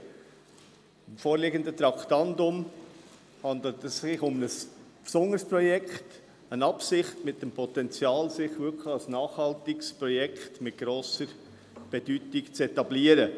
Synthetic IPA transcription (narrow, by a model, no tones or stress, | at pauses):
ɪmfoːɾlɪɡənd̪ət̪ɾɑkʰtɑndʊm | hɑnd̪l̩t̪ɛsɪχʊmnəspsʊnəspɾɔjɛkχt | ənɑpsɪχtmɪt̚dɛmpʰɔt̪ɛnt͡sjɑːlsɪχvʋʏkʰɑlsnɑːχhɑltɪkspɾɔjɛkχtmɪt̚ɡ̥ɾoːsəɾ | b̥ɛd̥ytikt͡sɛt̪ɑbliːəɾə